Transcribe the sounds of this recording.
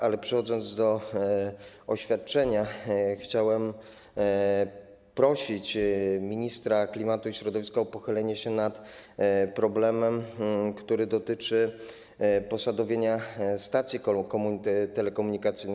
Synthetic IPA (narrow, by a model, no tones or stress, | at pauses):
alɛpʂɛxɔd̪zɔnd̪zd̪ɔ | ɔɕfʲjat̪̚t͡ʂɛɲaxt͡ɕawɛm | pɾɔɕit͡ɕmʲiɲist̪ɾaklʲimat̪uiɕɾɔd̪ɔvʲiskaɔpɔxɘlɛɲɛɕɛnat̪ | pɾɔblɛmɛmkt̪uɾɘd̪ɔt̪ɘt͡ʂɘ | pɔsad̪ɔvʲjeɲast̪at̪sʲjikɔkɔmut̪ɛlɛkɔmuɲikat̪sɘjn